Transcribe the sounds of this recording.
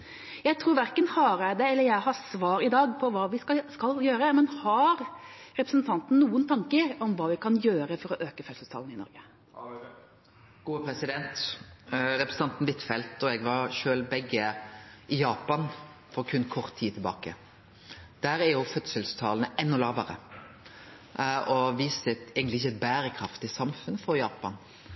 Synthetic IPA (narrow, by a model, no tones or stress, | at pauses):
jæɪt̪ʰɾuːɾʋæɾkənhɑɾæd̪ɛɛlːəjæɪhɑɾsʋɑːɾɪd̪ɑːɡpʰɔʋɑːʋɪskɑljøːɾəmɛnhɑɾ | ɾɛpɾəsənt̪ʰɑnt̪n̩nuːənt̪ʰɑŋkəɾɔmʋɑːʋɪkʰɑnjøːɾəfɔɾɔʔøːkəfœt̪səst̪ʰɑ̰ːlnɪnɔ̰ɾɡə | ɡ̥uːəpʰɾɛsɪd̪ɛnt̪ | ɾɛpɾəs̩ɑnt̪n̩ʋɪt̪ːfɛlt̪ɔɛɡʋɑʁʃøːlbɛɡːəʔɪjɑːpɑn | fɔɾkʰʉnkʰɔʁt̪ʰːiːt̪ʰɪlbɑ̰ːkə̰ | d̪̥æɾæɾjʊfœt̪səlst̪ʰɑːlnəɛnːɔlɑːʋəɾə̰ | ɔʋiːsəɛɡənɪɪçəɛt̪̚bæːɾəkʰɾɑft̪ɪsɑmfʉnfɔɾjɑːpɑn